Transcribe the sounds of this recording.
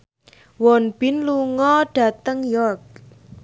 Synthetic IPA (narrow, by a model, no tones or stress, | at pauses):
wɔnb̥ɪnluŋɔɖ̥a̤t̪əŋjɔrk̚